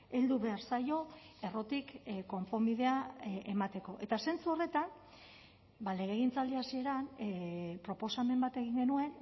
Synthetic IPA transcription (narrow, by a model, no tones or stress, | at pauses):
e̞ld̪uβe̞aɾsajo̞e̞ro̞t̪ikko̞mpo̞miðe̞aemat̪e̞ko̞ʔe̞t̪ase̞nt͡suo̞re̞t̪an | bale̞ɣ̞e̞ɣ̞int͡sald̪iasie̞ɾan | pɾo̞po̞same̞mbat̪e̞ɣ̞iŋɡe̞nue̞n